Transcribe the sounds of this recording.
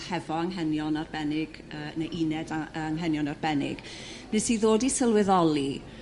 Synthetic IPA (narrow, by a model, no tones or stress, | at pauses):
hɛvɔaŋɦɛnjɔnarbɛnɪɡ̥ | əːnaʔinɛdaaŋɦɛnjɔnarbɛnɪ̰ɡ̥ | nɛsiðoːdisəlˠwɪðɔlˠi